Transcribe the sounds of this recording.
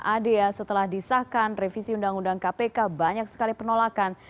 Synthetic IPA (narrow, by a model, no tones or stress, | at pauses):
ʔadeasət̪əlahdisakanrefisiundaŋundaŋkapekabaɲak̚sə̥kalipənolakan